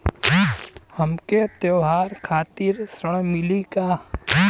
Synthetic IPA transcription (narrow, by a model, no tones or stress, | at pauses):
həmket̪jeːɦaːɾkʰaːt̪iɾsɾəɽ̃mɪlikaː